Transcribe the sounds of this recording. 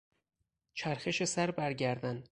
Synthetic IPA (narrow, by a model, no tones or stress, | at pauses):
t͡ʃʰæɾxe̞ʃesæɾbæɾɟæɾd̪ænd̪